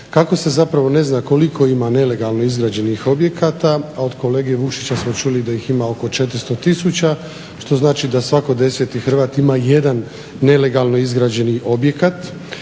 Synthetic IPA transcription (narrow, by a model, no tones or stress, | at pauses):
kako̞se̞zapɾaʋo̞ne̞znako̞likʰo̞imane̞le̞ɡalˠno̞izɡɾaːd͡ʑe̞nixo̞bje̞kat̪aao̞d̪ko̞le̞ːɡeʋukʃit͡ɕasmo̞t͡ʃulid̪ajiximao̞ko̞t͡ʃe̞t̪ɾ̩st̪o̞t̪isut͡ɕa | ʃt̪o̞znaːt͡ʃid̪asʋako̞d̪e̞set̪ixr̩ʋaːt̪imajed̪anː | e̞le̞ɡalˠno̞izɡɾaːd͡ʑe̞niʔo̞bje̞kat̪